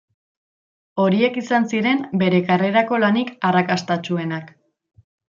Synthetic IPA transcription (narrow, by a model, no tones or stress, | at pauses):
o̞ɾie̞kisansiɾe̞mbe̞ɾe̞kare̞ɾako̞lanikarakast̪at͡ʃue̞nak